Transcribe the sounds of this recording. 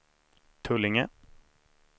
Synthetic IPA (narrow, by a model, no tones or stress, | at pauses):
t̪ʰɵlːɪŋə